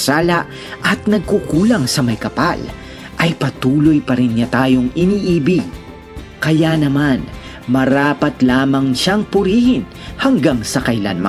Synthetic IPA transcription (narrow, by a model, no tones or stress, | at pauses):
saːlɐʔ | ʔɐt̪̚nɐɡ̚kʊkuːlɐŋsɐmɐjkɐpal | ʔɐjpɐt̪uːlojpɐɾɪnɲat̪aːjoŋɪniːʔiːbɪɡ | kɐjanɐman | mɐɾaːpɐt̪laːmɐŋʃaŋpʊɾiːhɪn | hɐŋɡaŋsɐkɐla̰nmɐ